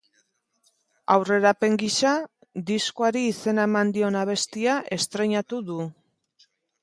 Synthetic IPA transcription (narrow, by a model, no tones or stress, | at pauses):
awre̞ɾape̞ŋɡisa | d̪iskoaɾiːse̞nae̞mand̪io̞naβ̞e̞st̪iaʔe̞st̪ɾe̞ɲat̪uðu